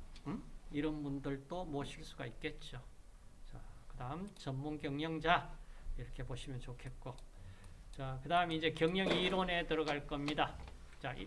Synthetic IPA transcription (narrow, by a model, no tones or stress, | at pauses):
iɾʌnbundɯɭt͈omwʌɕʰiɭs͈uɡa̰ik̚k͈e̞t̚t͡ɕ͈o | t͡ɕakɯdaɯmt͡ɕʌnmunkjʌŋɲʌŋd͡ʑaiɾʌkʰe̞poɕʰimjʌnt͡ɕokʰe̞t̚k͈o | t͡ɕakɯdaɯmeid͡ʑe̞kjʌŋɲʌŋiɾone̞tɯɾʌɡaɭk͈ʌmɲida | t͡ɕaʔḭ